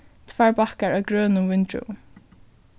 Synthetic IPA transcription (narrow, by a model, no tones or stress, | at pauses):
t̪ʰvaɹbahkaɹaɡɹœːnʊvɪnt̪ɾʊ̰